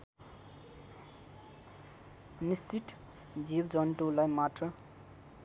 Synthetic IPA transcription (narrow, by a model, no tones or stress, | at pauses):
nist͡siʈ | d͡zibd͡zʌnʈulajmaʈrʌ